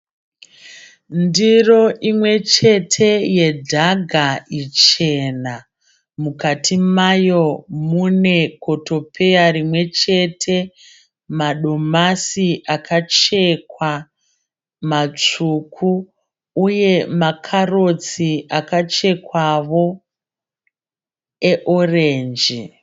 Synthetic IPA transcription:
ndiro̞ʔimwe̞t͡ʃe̞tʰe̞je̞dʱaɡʱait͡ʃe̞na | mukatʰimajo̞mune̞ko̞to̞pʰe̞jarimwe̞t͡ʃe̞tʰe̞ | maɗo̞masiʔakʰat͡ʃe̞kwa | mat͡ʂukʰu | uje̞makʰaro̞t͡siakat͡ʃe̞kwaʋo̞ | eʔo̞reːnd͡ʒi

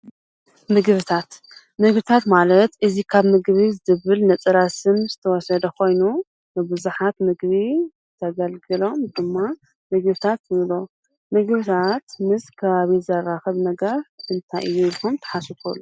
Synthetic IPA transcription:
mɨɡβɨt̪ʰat̪ | mɨɡbɨt̪ʰat̪malɐt̪ʔɨzikʰaβmɨɡβizɨzɨβɨlnɐt͡sʼɨɾasɨmzɨt̪ʰɐwɔsɐd̪ɐkʰo̞jnu | nɨbɨzuħat̪mɨɡβizɨt̪ʰɐɡɐlɡɨlo̞md̪ɨmːa | mɨɡβɨt̪ʰat̪ɨlo | mɨɡβɨt̪ʰat̪mɨskʰɐβaβizɐraxɐβnɐɡɐɾʔɨnt̪ʰajʔɨjːulxumt̪ʰɐ̥ħasɨfʰo̰lːu

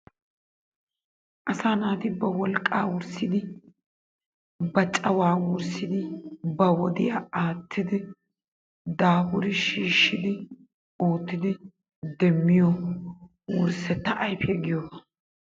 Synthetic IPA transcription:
ʔɐsaːnaːt̪ɪbɐwɔlkʼaːwʊɾsɪd̪ɪ | bɐt͡ʃʼɐwaːwʊɾsɪd̪ɪbɐwɔd̪ɪjaaːt̪ʰːɪd̪ɪ | d̪aːbʊɾɪʃiːʃːɪd̪ɪ | oːt̪ːɪd̪ɪ | d̪ɛmːɪjɔ | wʊɾsɛt̪ːɐʔɐjfɛɡɪjɔbɐ

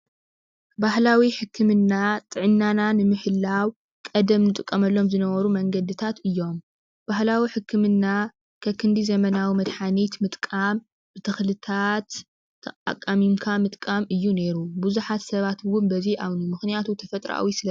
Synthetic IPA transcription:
bahlawiħɨkʰːɨmɨnːat̪ʼɨʕɨnːananɨmɨħɨlːaw | kʼɐd̪ɐmnɨt̪ʼɨkʼːɐmɐlːo̞mzɨnɐβɐɾumɐŋɡɐd̪ɨt̪ʰat̪ɨjːo̞m | b̥ahlawiħɨkʰːɨmɨnːa | kʰɐkʰɨnd̪izɐmɐnawimɐd̪ħanit̪mɨt̪ʼkʼam | b̥ɨt̪ʰɨxlɨt̪ʰat̪ | t̪ʰːɐkʼa̰kʼːamimkʰamɨt̪ʼkʼamɨjːune̞ɾubuzuħat̪sɐβat̪wʊnbɐziʔaβnimɨxnijat̪ʰut̪ʰɐfɐt̪ʼɾa̰a̰wisɨlɐ

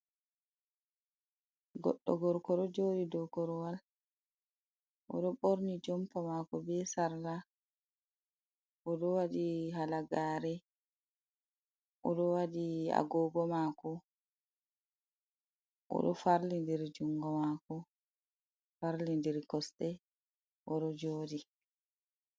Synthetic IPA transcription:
ɡɔ̰ɗːɔɡɔɾkɔɗɔd͡ʒoːɗidɔkɔɾɔwal | ʔɔ̰ɗɔɓoɾnid͡ʒɔmpamakɔbɛsaɾla | ʔɔɗɔwadiɦalaɡaːɾɛ | ʔɔɗɔwadia̰ɡɔːɡɔmaːkɔ | ʔɔ̰ɗɔfaɾlindɛɾd͡ʒuŋɡɔmakɔ | faɾlindɛɾkɔstɛ | ʔɔɗɔd͡ʒoːdi

